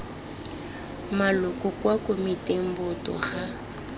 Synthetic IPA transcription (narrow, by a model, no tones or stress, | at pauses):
malʊkʼɔkʼwakʼomɪtem̩bʊtɔ̰χa